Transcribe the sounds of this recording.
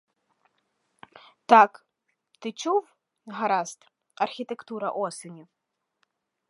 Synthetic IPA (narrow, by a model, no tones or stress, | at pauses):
tʰakʼ | tʰɨt͡ʃʰuv | ɦaɾastʰʼ | arxʲitʰektuɾaʔosɨnʲi